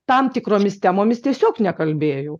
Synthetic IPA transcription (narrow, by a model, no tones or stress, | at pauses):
t̪ɐmt̪ʲɪkɾoːmʲɪst̪ʲæmoːmʲɪst̪ʲiɛsʲoːknʲɛkɐlʲbʲeːjoʊ